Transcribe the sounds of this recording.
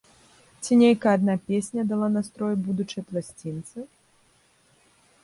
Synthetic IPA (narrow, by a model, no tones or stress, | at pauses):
t͡sʲinʲejkɐad̪napʲesʲnʲɐd̪alˠanast̪ɾɔjbud̪ut͡ʂɐjplˠasʲt͡sʲint̪sɨ